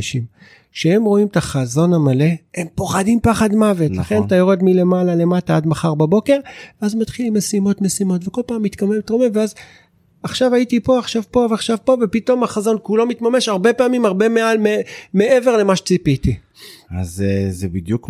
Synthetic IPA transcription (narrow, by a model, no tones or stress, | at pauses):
ʃim | ʃehe̞mʁo̞imtaχazo̞namale̞hempo̞χadimpaχadmavetlaχe̞ntajoʁe̞dmile̞malale̞mataadmaχaʁbabo̞ke̞ʁveazmat̪χilimːesimo̞tme̞simo̞tveko̞lpaːmːit̪kamemtʁomevveaz | aχʃavaitipo̞aχʃavpo̞veaχʃavpo̞vepito̞maχazo̞nkulo̞mitmame̞ʃaʁbe̞paːmimaʁbe̞mealmeme̞eve̞ʁle̞maʃe̥t͡sipiti | azezebid̪juk